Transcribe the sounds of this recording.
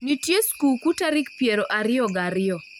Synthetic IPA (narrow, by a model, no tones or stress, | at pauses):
nitjeskukutaɾɪk̚pjeɾoʔaɾɪɔɡaɾɪɔ